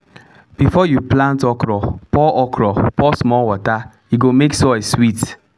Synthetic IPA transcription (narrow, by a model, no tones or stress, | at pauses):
b̥ifɔjuplãntɔkɾɔpɔʔɔkʰɾɔpɔsmɔlwɔta | jiɡomeksɔswit